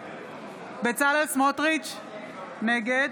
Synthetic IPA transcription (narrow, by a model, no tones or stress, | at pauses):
bet͡salesmot̪ʁit͡ʃ | neɡed